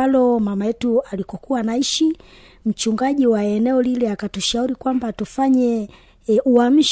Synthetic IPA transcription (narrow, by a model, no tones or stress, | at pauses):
alɔmamajɛtualikɔkuwanaiʃi | m̩t͡ʃuŋɡaʄiwaɛnɛɔliliakatuʃauɾikwambatufaɲɛ | ʔuam̩ʃ